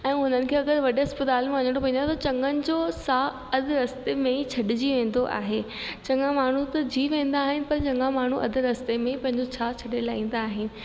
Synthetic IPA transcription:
ɛ̃ːɦʊnənɪ̆kʰeːɐɡəɾʋɐɗeɐspɪt̪aːlmẽʋɐɲə̃ɽopɐ̃ɦĩnd̪at̪t͡ɕɐ̃ŋɡənɪ̆d͡ʑoːsaː | ɐd̪ʱɪɾɐst̪emẽit͡ɕʰɐɗɪd͡ʑiʋẽːn̆d̪oʔa̰ːɦe | t͡ɕɐ̃ŋɡãmaːɳ̤ut̪ɐd͡ʑiːʋẽːnd̪aːɦɪnɪ̆pɐɾt͡ɕɐ̃ŋɡãmaːɳ̤uʔɐ̰d̪ʱɪɾɐst̪emẽipɐ̃ɦɪ̃ɲd͡ʑot͡ɕʰaːt͡ɕʰɐɗelaːĩːn̆d̪aːɦɪnɪ̆

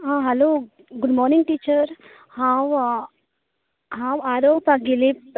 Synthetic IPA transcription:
ɦãɦɛloː | ɡʊɖmɔːɾnɪ̃ŋɡʈiːt͡ʃəɾ | hãw | ɦãwaːɾopaɡilip̚

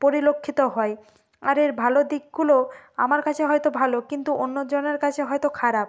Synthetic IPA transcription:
poɾilokʰːit̪oɦɔe | aɾeɾbʱalod̪ik̚ɡuloamaɾkat͡ɕʰeɦɔjt̪obʱalokint̪uʔonːod͡ʑoneɾkat͡ɕʰeɦɔjt̪okʰaɾab̚

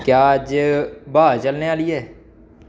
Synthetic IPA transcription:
kjaːd͡ʒbaːt͡ʃəlneːaːliɦɛː

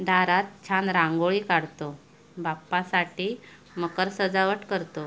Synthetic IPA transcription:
d̪ʱaɾat̪̚t͡ɕʰanɾãŋɡoɭikaɽt̪o | bapːasaʈiː | məkəɾsəd͡zaʋəʈkəɾt̪o

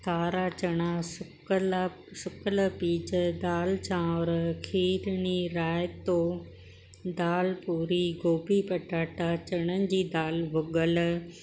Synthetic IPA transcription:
t̪ʰaːɾaːt͡ɕɐɽ̃asʊkl | sʊkələpiːd͡ʑəd̪aːlt͡ɕãːɾkʰiːɾniɾaːjt̪o | d̪aːlpuːɾiɡoːbipɐʈaːʈat͡ɕɐɽ̃ənɪ̆d͡ʑiːd̪aːlʋʊɠəl

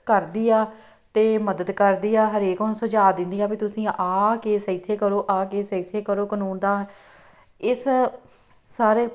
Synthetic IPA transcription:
kəɾd̪iːaː | t̪eːməd̪əd̪kəɾd̪iːaːɦəɾeːkonːsəd͡ʒaːd̪ɪ̃nd̪iːaːpiːt̪ʊsĩːʔaːkeːsəiːt̪ʰeːkəɾoːʔaːkeːsəit̪ʰeːkəɾoːkənuːnd̪aː | ɪs | saːɾeː

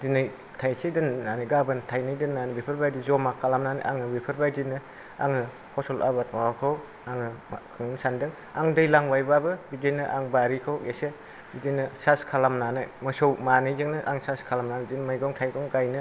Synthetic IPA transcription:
dinɯj | tʰajsedɯnːaniɡabɯntʰajnɯjdɯnːanibipʰɯɾbajdizɔmakʰalamnanɯ̰ʔaŋɯbipʰɯɾbajdinɯ | a̰ŋɯ | kʰɔsɔlʔa̰bat̚awakʰɯw | aŋɯkʰɯŋnɯsandɯŋ | aŋdɯjlaŋwajbabɯbidijnɯʔaŋbaɾikʰawɡese | bidinɯsaskʰalamnanɯjmɯsɔwmanɯjzɯŋnɯʔa̰ŋsaskʰalamnabidinmajɡɔŋtʰajɡɔŋɡajnɯ

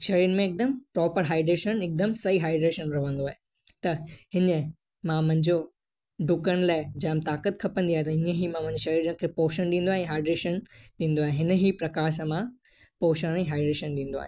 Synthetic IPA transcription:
ʃɐɾiːɾmẽɪk̚d̪əmpɾɔːpəɾɦaːɪɖɾeːʃənɪk̚d̪ɐmsɐɦiɦaːɪɖɾeːʃənɾɐʋə̃nd̪oaːɦe | t̪ɐɦɪnə | mãmʊ̃ɦɪ̃ɲd͡ʑo | ɖʊkəɽ̃laːɪd͡ʑɐ̃ːɦmt̪aːkət̪kʰɐpə̃nd̪iaːɦet̪ɐĩːə̃ɦimãm̃ɦɲd͡ʑeʃɐɾiːɾənkʰepoːʃənɗĩːn̆d̪oaːɦẽɦaːɪɖɾeːʃənɗĩːnd̪oaːɦẽɦɪnɦipɾɐkaːɾs̬ãmã | poːʃəɽ̃ɛ̃ɦaːɪɖɾeːʃənɗĩːnd̪oa̰ɦẽ

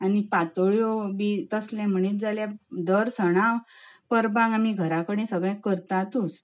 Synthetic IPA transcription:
anipat̪oɭjɔbit̪əslɛ̃m̤əɳ̃iːt̪̚d͡zaljad̪əɾsəɽ̃aʋpəɾbãŋɡamiɡʱəɾãkəɽẽsəɡɭɛ̃kəɾt̪at̪ut͡s

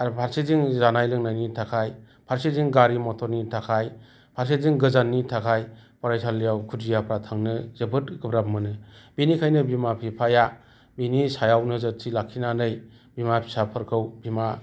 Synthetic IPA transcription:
aɾpʰaɾseziŋzanajlɯŋnajnitʰakʰaj | pʰaɾseziŋɡaɾimɔtʰɔɾnitʰakʰaj | pʰaɾseziŋɡɯzanːitʰakʰajpɔɾajsʰalːijawkʰudijapɾatʰaŋnɯzɯbɯt̚ɡɯbɾap̚mɯnɯbinikʰajnɯbimapʰipʰaja | binisajawnɯzɯt̚tʰilakʰːinanɯj | bimapʰi̥sapʰɯɾkʰɯwbima

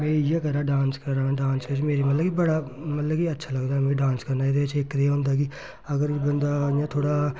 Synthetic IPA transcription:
mẽːjekəɾaːɖãːnskəɾãːɖãːnskət͡ʃimeːɾimɐt̪ləɡibəɽamɐt̪ləɡiɐtːʃʰaːlɐɡd̪aːmẽɖãːnskɐɾnaːet̪et͡ʃʰeːkːɾeaɦõːnd̪aːɡi | əɡəɾbənd̪aːãt̪ʰoːɽaː

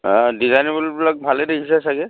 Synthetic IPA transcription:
dizanibɔlubilak̚bʱalɛdekʰisɛsaɡɛ

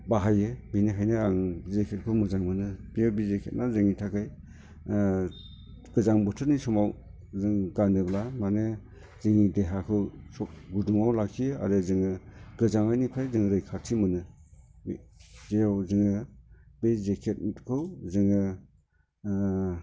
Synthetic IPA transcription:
baɦajɯbiniɦajnɯaŋzekʰet̚kʰɯwmɯzaŋmɯnɯbijabizekʰet̚nazɯŋitʰakaj | ɡ̥ɯzaŋbɯtʰɯɾnisɔmaw | zɯŋɡanɯblamane | zɯŋideɦakʰɯwsɔk̚ɡuduŋawlakʰijɯa̰ɾɯzɯŋɯɡ̥ɯzaŋajnipʰajzɯŋɯɾɯjkʰaɾtʰimɯnɯ | zeawzɯŋɯbezekʰet̚tkʰɯwzɯŋɯ

